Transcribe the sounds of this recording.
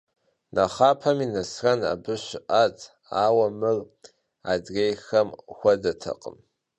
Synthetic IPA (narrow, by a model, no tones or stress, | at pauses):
nʔaχaːpʰɐminɐsrɐna̰bɨʃʷʔatʰʼ | aːwɐmɨr | adrejxɐmxʷɐdɐtʰɐ̰qʼə̰m